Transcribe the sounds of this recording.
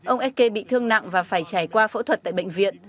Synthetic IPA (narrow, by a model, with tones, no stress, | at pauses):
ʔə˧wŋ͡mʔɛ˦˥t̚ke˧ɓḭ˧˨t̪ʰɨ˧əŋna̰˧˨ŋvaː˨˩faː˧˩jt͡ɕaː˧˩jkwaː˧fo̰˧˥t̪ʰwə˨˩t̪̚ːɓə̰˧˨ŋ̟vḭ˧˨ən